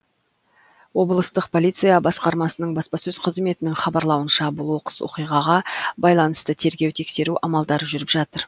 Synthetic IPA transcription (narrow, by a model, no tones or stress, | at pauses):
wo̞blˠəst̪əqpʰo̞lʲit̪sɨjɑbɑsqɑɾmɑsənəɴbɑspɑsɵzqʰəzme̞t̪ɪnɪŋχɑbɑɾlˠɑwənʃɑbʊlˠwo̞qə̥swo̞̰qijʁɑʁɑbɑjlˠɑnəst̪ət̪ʰe̞ɾɡʲe̞wt̪ʰe̞kse̞ɾuʔɑmɑlˠd̪ɑɾʒʏɾɪpʒɑt̪əɾ